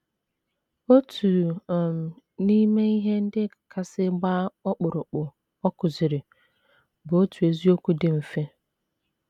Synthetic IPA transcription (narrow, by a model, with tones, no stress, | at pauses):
o˦tʰu˨m˨ | ni˦me˦i˦ɦe˦n̩˦dɪ˦ka˨kʰa˦sɪ˦ɡ͡baː˦ɔ˦k͡pʊ˨ɾʊ˨k͡pʊ˨ | ɔ˦kʊ˨zɪ˨ɾɪ˨ | bʊ˨o˦tʰu˨e˨zi˦o˦ku˦dɪ˦m̩˨fe˦